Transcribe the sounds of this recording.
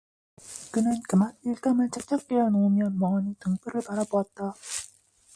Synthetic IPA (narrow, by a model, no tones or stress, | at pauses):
kɯnɯnkɯmak̚iɭk͈amɯɭt͡ɕ͈ʰak̚t͡ɕ͈ak̚k͈ejʌnoɯmjʌnmʌanitɯŋp͈ɯɾɯɭpaɾaboat̚t͈a